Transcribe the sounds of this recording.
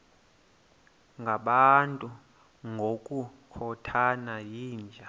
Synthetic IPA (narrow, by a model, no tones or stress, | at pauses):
ŋɡʱaɓantʼu | ŋɡʱokʼukʰɔtʰanajiːnd͡ʒʱa